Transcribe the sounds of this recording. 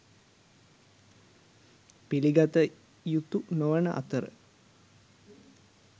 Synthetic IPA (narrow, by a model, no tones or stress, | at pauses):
piliɡat̪ə | jut̪unoʋənəʔa̰t̪əɾə̰